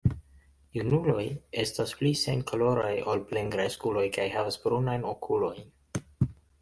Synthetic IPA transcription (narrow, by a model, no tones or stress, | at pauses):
junulo̞je̞stasplisenkolo̞ɾajo̞lple̞ŋɡɾajskulo̞jkajhavasbɾunajnokʰulo̞jn